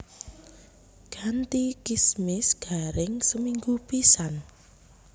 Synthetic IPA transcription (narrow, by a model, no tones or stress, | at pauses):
ɡ̥ant̪ikismɪsɡ̥a̤ɾɪŋsəmiŋɡupisan